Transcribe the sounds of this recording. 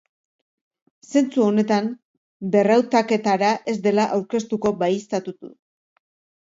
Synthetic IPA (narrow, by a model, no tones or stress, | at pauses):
se̞nt͡suo̞ne̞t̪am | be̞rawt̪ake̞t̪aɾaʔe̞zd̪e̞laʔawɾke̞st̪uko̞bajist̪at̪ut̪ṵ